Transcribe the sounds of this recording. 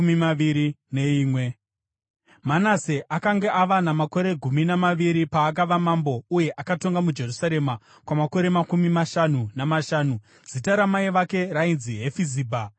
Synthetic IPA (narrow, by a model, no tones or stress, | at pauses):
mimaʋiɾine̞iːmwe̞ | manaseʔakaŋɡe̞ʔaʋanamako̞ɾe̞ɡʱuminamaʋiɾipaːkaʋamambo̞uje̞ʔakato̞ŋɡamud͡ʒe̞rusaɾe̞ma | kwamako̞ɾe̞makumimaʃanunamaʃaːnu | zitaɾamaiʋake̞rainziɦe̞fiziːbʱa